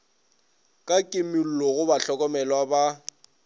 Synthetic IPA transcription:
kʼakʼɪmil̩lɔɣʊbaɬɔkʼɔmɛlɔwaba

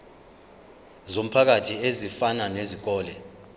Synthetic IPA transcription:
zom̩pʰak̬atʰiezifananezik̬ɔːlɛ

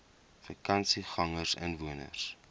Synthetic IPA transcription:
fəkɐnsiχɐŋərsə̰nvuənə̰rs

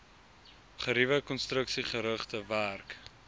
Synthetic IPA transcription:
χəɾivəkɔnstrəksiχəɾəχtəværk

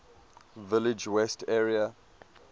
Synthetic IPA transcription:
vɪlɪd͡ʒwɛstʰɛɹia

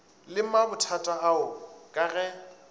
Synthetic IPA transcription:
lɪmabʊtʰatʼaaʊkʼaɣɛ

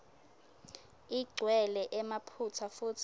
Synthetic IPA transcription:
iɡ͡ǀʱwɛlɛʔɛmapʰut͡sʰafutʰ

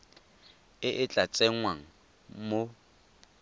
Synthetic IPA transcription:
ɪʔɪt͡ɬʼat͡sʼɛŋwaŋ̩ | mo

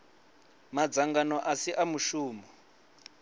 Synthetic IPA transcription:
mad͡zaŋɡanɔʔasiʔamuʃuːmɔ

